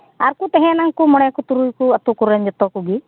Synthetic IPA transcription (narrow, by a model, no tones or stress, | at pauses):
aɾkut̪ɛɦɛ̃naŋkumɔɽjakut̪uɾujkuɐt̪ukuɾɛnd͡ʒɔt̪ɔkuɡi